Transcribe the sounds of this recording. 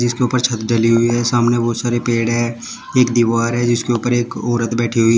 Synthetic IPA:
d͡ʒɪskeʊːpəɾt͡ʃʰɐt̪ɖɐliɦʊiɦɛsaːmneʋosaːɾepeːɽɦɛ | eːkd̪iʋaːɾɦɛd͡ʒɪskeʊpəɾeːkɔːɾət̪bɛːʈʰiɦʊiː

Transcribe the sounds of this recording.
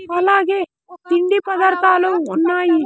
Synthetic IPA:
ɐlaːɡeː | t̪iɳɖipɐd̪ɐɾt̪aːluːnːaːji

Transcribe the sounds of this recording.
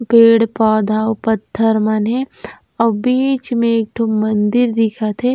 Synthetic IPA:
peːɽpaːd̪ʱaːwpɐt̪ʰːəɾmane | ɐbiːt͡ʃmẽːk̚ʈʰumɐnd̪ɪɾd̪ɪkʰat̪ʰe

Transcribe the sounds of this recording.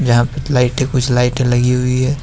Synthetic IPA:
d͡ʒɐɦãpelaːɪʈẽkʊt͡ʃʰlaːɪʈẽlɐɡiɦʊiɦɛː

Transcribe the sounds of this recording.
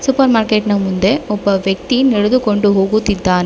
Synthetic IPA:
sʊpɐɾmaːɾkeʈnɐmʊnd̪eɔpːɐʋɛk̚t̪inɛɻɯðɯkɔɳɖɯɦoːɣut̪ːɪt̪ːaːn

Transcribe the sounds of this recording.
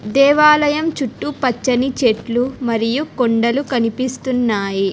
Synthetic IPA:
d̪ɛːʋaːlɐjɐmt͡ʃuʈːupɐt͡ʃːɐnit͡ʃeʈlumɐɾijukoɳɖɐlukɐnipist̪unːaːji

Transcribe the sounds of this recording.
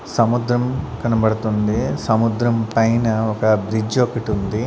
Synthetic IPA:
sɐmud̪ɾɐmkɐnɐbɐɽt̪und̪isɐmud̪ɾɐmpɐjnɐɔkɐbɾid͡ʒokiʈund̪i

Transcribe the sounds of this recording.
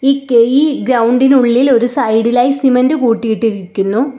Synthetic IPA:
iːkejiɡɾɐwɳɖinuɭːilo̞ɾusɐjɽilaːjisimendɨkuːʈːijiʈːiɾikʲːunːu

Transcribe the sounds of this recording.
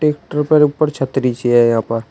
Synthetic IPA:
ʈeːkʈəɾpəɾʊpːəɾt͡ʃʰət̪ːɾit͡ʃiɛjɦãːpəɾ

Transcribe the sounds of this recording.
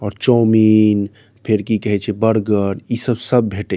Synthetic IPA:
ɔːɾt͡ʃɔmin | pʰeɾkikəɦɛt͡ʃʰɛbəɽɡəɾisəbsəbːʱeʈe

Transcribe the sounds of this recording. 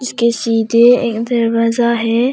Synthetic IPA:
ɪskesiːd̪eḛːkd̪ɐɾbazaɦɛː

